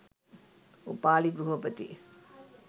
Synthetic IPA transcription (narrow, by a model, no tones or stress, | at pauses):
upaːliɡɾuɦɐpət̪ḭ